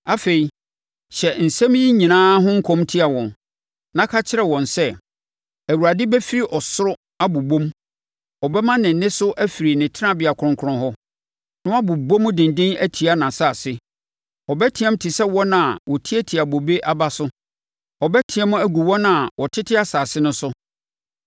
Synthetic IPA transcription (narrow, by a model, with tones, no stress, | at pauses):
a˦fe˨i˨ | ɕɛ˨n̩˨sɛ̃˦m˦ji˦ɲĩ˨nãː˦ɦʊ̃˦ŋ̩˦kʰɔ̃˦mtʰi˦a˨wɔ̃˨n | nã˦kʰa˦t͡ɕʰɪ˦ɾɛ˨wɔ̃˨nsɛ˦ | æ˨wu˨ɾa˨dɪ˦bɛ˦fi˦ɾi˦ʔɔ˨sʊ˦ɾʊ˦ | a˦bu˨bõ˦m˦ | ɔ˨bɛ˦mã˦nɪ̃˨n˨nɪ̃˦sʊ˦ʔæ˦fi˨ɾi˨nɪ̃˨tʰɪ˦ã˦bɪ˨a˨kʰʊ˨ʊ̃˦ŋkʰʊ˦ʊ̃˦ɦɔ˦ | nʊ̃˦a˦bʊ˨bõ˦mʊ̃˦dɪ̃˨n˨dɪ̃˦næ˦tʰi˨a˦nã˨saː˨sɪ˦ | ɔ˨bɛ˦tʰɪ˨ɛ̃˦m˦tʰɪ˨sɛ˦wɔ̃˦nã˨wɔ˨tʰi˦ɛ˦tʰi˨a˨bo˨be˦ʔa˦ba˦sʊ˦ | ɔ˨bɛ˦tʰɪ˨ɛ̃˦m˦æ˦ɡu˨wɔ˦nã˨wɔ˨tʰɪ˦tʰɪ˦a˦saː˨sɪ˦nʊ̃˦sʊ˦